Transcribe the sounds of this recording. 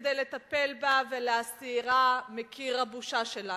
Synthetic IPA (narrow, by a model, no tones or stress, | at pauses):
d̪ejle̞t̪ape̞lbaveleasiːʁamekʰiʁabuʃaʃela